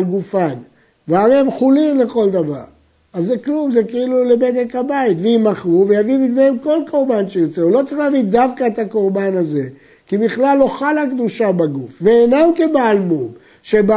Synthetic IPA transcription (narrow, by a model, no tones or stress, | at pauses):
lɡufan | veaʁemχulimle̞χo̞ld̪ava̰ʁ | azːeklumzekeilule̞bed̪ekhabait̪veimaχʁuve̞javibid̪meemko̞lko̞ʁbanʃejiʁt͡seulo̞t͡sʁiχlaːvid̪avkaet̪ako̞ʁbanaze̞ | kibiχlalːo̞χalakd̪uʃabaɡufveːnamkebaːlmum | ʃe̞ba